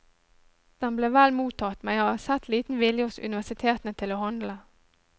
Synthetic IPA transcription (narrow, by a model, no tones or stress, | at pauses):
d̪̥ɛnbleːʋɛlmuːt̪ʰɑt̪mæɪoɑsɛt̪ʰliːt̪n̩ʋɪljəɔsʉ̰nɪʋæʂɪt̪ʰeːt̪nət̪ʰɪloːhɑnd̪lə